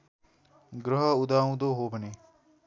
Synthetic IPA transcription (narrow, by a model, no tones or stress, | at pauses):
ɡɾəɦəʊd̪aːũd̪oːɦoːbʱəni